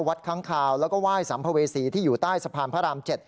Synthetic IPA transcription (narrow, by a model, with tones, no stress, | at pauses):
wa˦˥t̪̚kʰaː˦˥ŋkʰaː˧wlɛː˦˥wkɔː˥˩waː˥˩jsa˩˦mpʰa˧weː˧siː˧t̪ʰiː˥˩juː˨˩t̪aː˥˩jsa˧pʰaː˧npʰa˦˥ɾaː˧mt͡ɕe˨˩t̪̚